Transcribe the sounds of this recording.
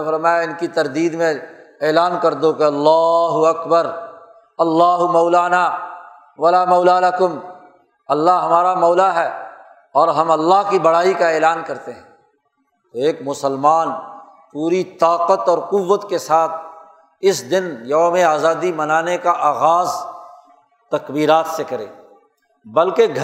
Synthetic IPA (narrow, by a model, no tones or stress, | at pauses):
fɐɾmaːjaɪnkit̪ɐɾd̪iːd̪mẽeːlaːnkɐɾd̪okeɐlːaːɦʊɐkbəɾ | ɐlːaːɦʊmɐːlaːnaː | ʋɐlaːmɐːlalɐkʊm | ɐlːaɦɦɐmaːɾamɔːlaɦɛː | ɔːɾɦɐ̃mɐlːaɦkibɐɽ̤aːikaeːlaːnkɐɾt̪eɦɛ̃ː | t̪oeːkmʊsəlmaːn | puːɾit̪aːqət̪ɔːɾqʊʋːət̪kesaːt̪̚ʰ | ɪsd̪ɪnjɐmẽaːzaːd̪imɐnaːnekaʔaːɣaːz | t̪ɐkbiːɾaːt̪sekɐɾḛː | bɐlkeɡʱ